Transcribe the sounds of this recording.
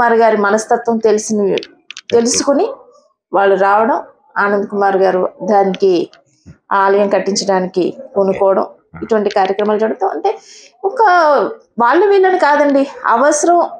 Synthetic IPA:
aːɾɡaːɾumɐnɐst̪ɐt̪ʋɐmt̪elsin | t̪e̞lusukuni | ʋaːɭːuɾaːʋɐɽɐm | aːnɐnd̪ukumaːɾɡaːɾud̪aːniki | aːlɐjɐmkɐʈːiɲt͡ʃɐɽaːnikionukɔːʋɐɽɐm | iʈuʋɐɳʈikaːɾjɐkɾɐmaːlɐt͡ʃɐɽut̪ɐːɐ̰ɳʈe̞ː | ɔkɐ | ʋaːɭːuʋiːlːɐnukaːd̪ɐɳɖiɐ̰ʋɐsɐɾɐm

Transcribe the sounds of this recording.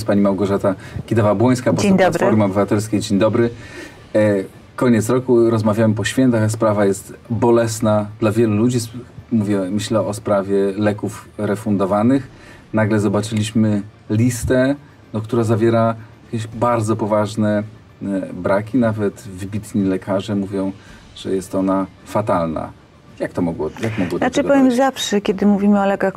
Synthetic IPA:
spaɲimawɡɔʐat̪aɡʲid̪avabwɔj̃skapɔsd̪ɾɔɾmɔbɘvat̪ɛlskʲejd͡ʑeɲd̪ɔbɾɘ | kɔɲɛt̪sɾɔkuɾɔzmavʲjawɛmpɔɕfʲjɛnt̪axspɾavajɛst̪bɔlɛsnad̪̥lavʲjɛlulud͡ʑimuvʲjɛmɘɕlɛɔspɾavʲjɛlɛkufɾɛfund̪ɔvanɘx | naɡlɛzɔbat͡ʂɘlʲiɕmɘlʲist̪ɛ | nɔkt̪uɾazavʲjɛɾajjjakʲɛɕbaɾd̪zɔpɔvaʐnɛ | bɾakʲinavɛt̪vɘbʲit̪ɲilɛkʰaʐɛmuvʲjɔ̃w̃ | ʐ̥ɛ̰jɛst̪ɔna | fat̪alna̰ | jak̚t̪ɔmɔɡwɔjakmɔɡwɔaɨpɔvʲjɛmzafʂɛkʲɛd̪ɘmuvʲimɘɔlɛkax

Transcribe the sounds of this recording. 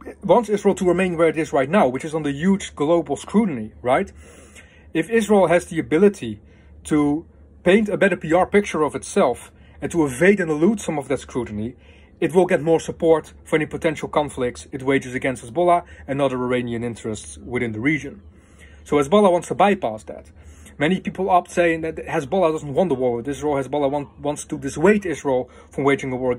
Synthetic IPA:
wɑ̃ntsɪzɹeɪlˠtʰəɹɨmẽɪ̃nwə˞ɨɾɪzɹaɪtⁿnaʊwɨt͡ʃɨzn̩ðɨjud͡ʒɡloʊbl̩ˠskʰɹutn̩iɹaɪt | ɨfɪzɹeɪlˠɦɨzðiɨbɪlˠɨɾi | tʰə | pẽɪ̃ntɨbɛɾə˞piɑɹpɪk̚t͡ʃə˞ʌvɨtsɛlˠf | ɨ̃ntʰəəveɪɾɨ̃nəlutsʌ̃mʌvðɨtskɹutn̩i | ɨt̬̚wɪlˠɡɛt̚mɔɹsəpɔɹt | fə˞ɛnipətʰɛ̃nʃl̩ˠkʰɑ̃ɱflɪk̚tsɨt̬̚weɪd͡ʒɨzɨɡɛ̃nst̚həzbɔlˠaɨ̃nʌðə˞ə˞ẽɪ̃niɨ̃nɪ̃ntɹ̥ɨstswɨðɪ̃nðəɹid͡ʒɨ̃n | soʊæzbɑlˠəwɑ̃ntstəbaɪpæsðæ̰t̚ | mɛnipipl̩ˠɑp̚tseɪɪ̃ŋðɨt̚hæzbɔlˠadʌzn̩t̚wɑ̃ntəwɔɹwɨðɪzɹilˠhæzbɑlˠawwɑ̃ntstədɨsweɪɾɪzɹilˠ | fɹʌ̃mweɪd͡ʒɪ̃ŋəwɔɹ

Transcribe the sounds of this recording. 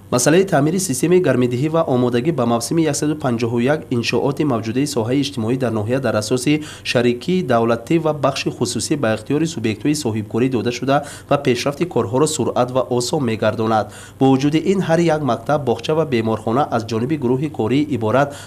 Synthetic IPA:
masalait̪ʰaːmiɾisist̪e̞maiɡaɾmid̪iɦivaʔɔmɔd̪aɡibamavsimijaksad̪upʰand͡ʒɔɦujakinʃɔʔɔt̪imavd͡ʒud̪aisɔɦaiːd͡ʒt̪imɔid̪aɾnɔɦiad̪aɾasɔsi | ʃaɾikʰiːd̪avlat̪ʰivabaχʃiχususibaiχt̪ijɔɾisubje̞kt̪hɔisɔɦib̚kʰɔɾid̪ɔd̪aʃud̪a | vape̞ʃɾaft̪ikʰɔɾɦɔɾɔsuɾat̪vaʔɔsɔnme̞ɡaɾd̪ɔnad̪ | bɔvud͡ʒud̪iʔinɦaɾijakmaq̚t̪ʰabbɔχt͡ʃʰavabe̞mɔɾχɔnaʔazd͡ʒɔnibiɡuɾuɦikʰɔɾiːʔibɔɾat̪

